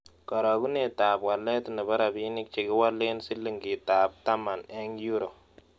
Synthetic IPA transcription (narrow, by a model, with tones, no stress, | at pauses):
kɔ˨ɾɔ˨ku˦ne˦˨ta˨bwa˨lːɛ˦tnɪ˨ba˦ɾa˨bi˦nɪ˦k̚t͡ʃe˨ɡɪ˦wa˦lːe˦nsɪ˦lːi˨ŋɡi˨ta˨p̚ta˦ma˨nɛ˦ŋju˦ɾo˨